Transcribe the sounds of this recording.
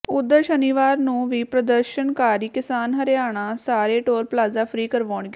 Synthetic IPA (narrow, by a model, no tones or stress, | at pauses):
ʊd̪ːəɾʃəniːʋaːɾnũːʋiːpɾəd̪əɾʃənkaːɾiːkɪsaːnɦəɾeaːɳ̃aːsaːɾeːʈoːɾplaːzaːpʰɾiːkəɾʋaːɳɡe